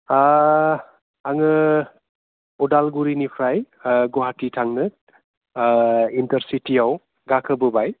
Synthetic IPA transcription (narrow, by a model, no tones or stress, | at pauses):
a | aŋɯ | udalɡuɾinipʰɾaj | ɡoɦatitʰaŋnɯ | intɐɾsitiaw | ɡakʰəbɯbaj